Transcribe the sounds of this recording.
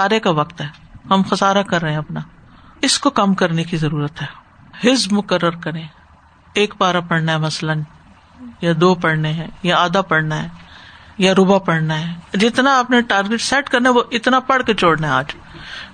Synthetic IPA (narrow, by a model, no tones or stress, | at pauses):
aːɾekaʋɐkt̪ɦɛːhɐmxɐsaːɾakɐɾːɐɦɛ̃ɐpna | ɪskokɐmkɐɾnekizɐɾuːɾət̪ɦɛː | hɪzbmʊkəɾːəɾkɐɾẽː | eːkpaːɾapɐɽnaɦɛmɐslən | jad̪oːpɐɽneɦɛ̃ːjaaːd̪apɐɽnaɦɛːjaɾʊbapɐɽnaɦɛːd͡ʒɪt̪naɐpneʈaːɾɡɪʈsɛːʈkɐɾnaɦɛʋoʔɪt̪napɐɽket͡ʃoːɽnaɦɛ̃aːd͡ʒ